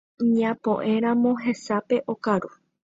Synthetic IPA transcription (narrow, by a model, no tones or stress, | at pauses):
ɲãpõ̞̰ʔẽ̞ɾ̃ãmõ̞ɦe̞sape̞ʔo̞kaɾu